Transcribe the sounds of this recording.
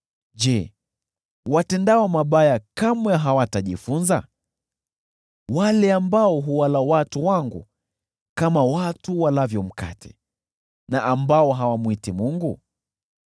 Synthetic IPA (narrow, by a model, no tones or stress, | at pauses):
ʄɛ | watɛndaɔmaɓajakamwɛɦawataʄifunza | walɛambaɔɦuwalawatuwaŋɡṵ | kamawatuwalavjɔm̩ka̰tʰɛ̥̰ | naʔambaɔɦawamuitimuŋɡu